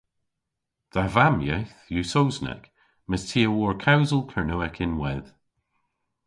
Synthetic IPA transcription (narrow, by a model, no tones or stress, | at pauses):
ð̥avamjɛ̰θlusowznɛ̰k | mɪstʰiːəwɔɹkʰawzəlˠkʰəɹnoɛkʰɪnwɛð̥